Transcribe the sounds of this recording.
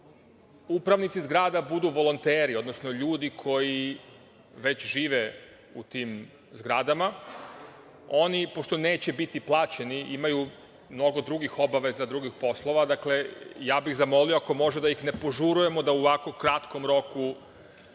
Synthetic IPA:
upɾaʋnit̪sizɡɾaːd̪abud̪uʋo̞lo̞nt̪eːɾio̞d̪nosnoʎuːd̪ikʰo̞ji | ʋe̞t͡ɕʒiːʋe | ut̪iːm | zɡɾad̪ama | o̞nipo̞ʃt̪o̞ne̞ːt͡ɕe̞bit̪iplˠaːt͡ɕe̞niʔimaju | mno̞ɡo̞d̪ɾuɡixo̞baʋe̞zad̪ɾuɡixpo̞slˠo̞ʋad̪akle̞jaːbiɣzamo̞lioako̞mo̞ʒed̪ajixne̞po̞ʒuɾuje̞mod̪auʋako̞kɾat̪komɾo̞ku

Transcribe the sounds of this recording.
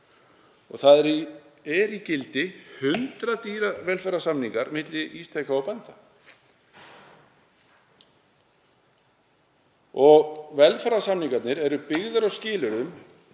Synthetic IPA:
ɔ̰ɣθaðɛɾiɛɾicɪlt̪ɪhʏnt̪ɾat̪iːɾavɛlfɛɾasamniŋkaɾmɪt̪lɪʔist̪ʰejkaɔwpɛnt̪a | ɔɣvɛlfɛɾasamniŋkat̪nɪɾɛɾʏpɪɣðʏɾɔwscɪːlʏɾʏm

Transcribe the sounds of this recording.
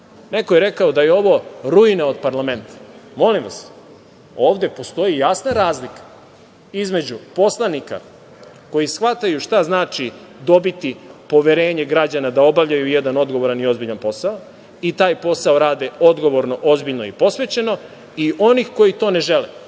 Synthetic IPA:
ne̞kojeɾe̞kaod̪ajeo̞ʋo̞ɾujnao̞d̪paɾlame̞nt̪ʰḁmo̞limʋa̰s | o̞ːʋd̪e̞po̞st̪o̞ijasnaɾaːzlikḁ | izme̞d͡ʑupo̞slˠanika̰ | ko̞jisxʋat̪ajuʃt̪aznaːt͡ʃi | d̪o̞bit̪ipo̞ʋeɾeːɲe̞ɡɾad͡ʑanad̪ao̞baʋʎajujed̪ano̞d̪ɡoʋo̞ɾanio̞zbiʎanpo̞sao | it̪aːjpo̞saoɾaːd̪eo̞d̪ɡo̞ʋo̞ɾno̞ʔo̞zbiʎnoipo̞sʋe̞t͡ɕe̞no̞ | iʔo̞nixko̞jit̪o̞ːne̞ʒele

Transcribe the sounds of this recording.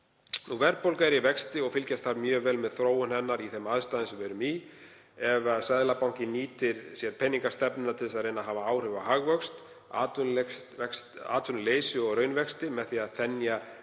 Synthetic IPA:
nuvɛɾpowlkaɾivɛkst̪ɪɔɣfɪlcast̪θaɾmjœːɣvɛːlmɛðθɾoːwʏnhɛnːaɾiθɛmaðst̪aːðɪnsɛvɛɾʏmi | ɛvasaðlapawŋ̥cɪniːt̪ɪɾ̥sjɛɾpʰɛnːiŋkḁst̪ɛpnʏɪnat̪ʰɪlsaðrejnaɦaːvaaːwr̥ʏvahaɣvœkst̪ | at̪ | ɛksaːt̪ʰʏnleːjsɪɔɣɾœːɥnvɛkst̪ɪmɛðθiːaðθɛnja

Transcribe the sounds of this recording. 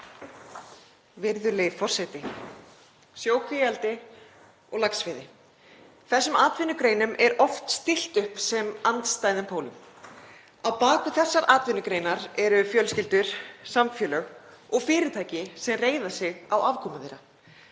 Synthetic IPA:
vɪɾðʏlefɔr̥sɛt̪ɪ | sjoːwkʰvɪjalt̪ɪ | ɔɣlaksfɪːðɪ | θɛsːʏmaːt̪vɪnːʏkɾejnʏmʔɛɾɔft̪st̪ɪl̥t̪ʏhpsɛmant̪st̪aːjðɪmpʰoːwlʏm | awpaːkʏθɛsːaɾʔaːt̪vɪnːʏkɾejnaɾɛɾʏfjœːlscɪlt̪ʏɾ̥samfjœːlœɣɔɣfɪːɾɪt̪ʰaːjcɪsɛmreːjðḁsɪɣawavkʰɔːmaðḛɾa

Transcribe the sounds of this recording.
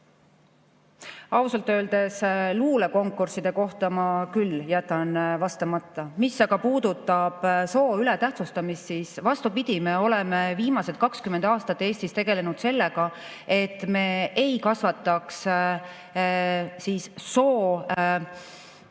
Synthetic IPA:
ɑusɑlt̪ːˑø̞ːld̪̥e̞sluːleko̞ŋkːˑursid̪̥e̞ko̞ht̪ɑmɑkylːjæt̪ːˑɑnvɑst̪ɑmɑt̪ːˑɑmisːɑɡ̥ɑpuːd̪̥ut̪ːˑɑb̥so̞ːylɛt̪æht̪sust̪ɑmissisvɑst̪upid̪̥ime̞o̞lɛme̞viːmɑse̞t̪̚kɑkskymːend̪ɑːst̪ɑt̪ːe̞ːsʲt̪ist̪e̞ɡ̥e̞le̞nud̪̥se̞lːe̞ɡ̥ɑ | e̞t̪ːˑme̞ːejkɑsvɑt̪ːˑɑks | siːsso̞ː

